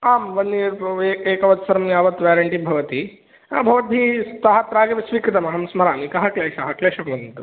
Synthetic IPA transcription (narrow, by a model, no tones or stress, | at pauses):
aːmʋɐnːiɾeːeːkɐʋɐt̪sɐɾɐmjaːʋɐt̪ʋaːɾɐɳʈibʱɐʋɐt̪i | ɐbʱɐʋɐd̪ʱist̪ɐɦɐt̪ɾaːɡɐʋɐsʋiːkɾɐt̪ɐmɐɦɐmsmɐɾaːmikɐɦɐkleːʃɐɦɐkleːʃɐmʋɐnɐnt̪u